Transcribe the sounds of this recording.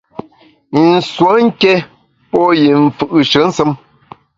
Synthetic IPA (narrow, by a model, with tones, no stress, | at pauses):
n̩˨swo˨˦ŋ̩˦kɛ˦ | pɔ˦ji˨m̩˨fɨ˦ʔɨ˨ʃə˨˦n̩˦sɨ˦m